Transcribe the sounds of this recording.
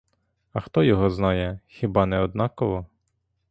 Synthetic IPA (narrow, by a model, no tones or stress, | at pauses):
ɐxt̪ɔjɔɦɔznɑjɛxʲɪbɑnɛɔd̪̚nɑkɔʋɔ